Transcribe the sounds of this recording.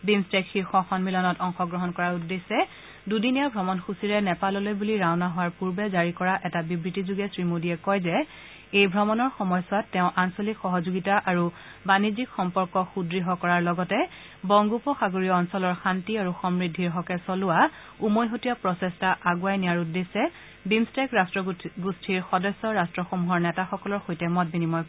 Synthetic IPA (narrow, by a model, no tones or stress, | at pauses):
bimstekxiɹxɔxɔnmilɔnɔtɔŋxɔɡɹɔɦɔnkɔɹaɹudːesɛ | dudinijabʱɹɔmɔnxusiɹɛnɛpalɔlojbuliɹaʊnaɦʊwaɹpuɹbɛzaɹikɔɹaʔɛtabibɹitizuɡɛsɹimodiɛkɔjzɛ | ejbʱɹɔmɔnɔɹxɔmɔjsatːɛʊ̃ʔansolikxɔɦɔzuɡitaʔaɹu | banizikxɔmpɔɹkɔxudɹiɦɔkɔɹaɹlɔɡɔtɛ | bɔŋɡupɔxaɡoɹijɔɔnsɔlɔɹxantiaɹuxɔmɹidʱːiɹɦɔkɛsɔlʊwa | umojɦotijapɹɔsɛstaʔaɡʊajnijaɹudːesɛ | bimstɛkɹastɹɔɡustʰiɹxɔdɔsːɔɹastɹɔxomuɦɔɹnɛtaxɔkɔlɔɹxojtɛmɔt̚binimɔj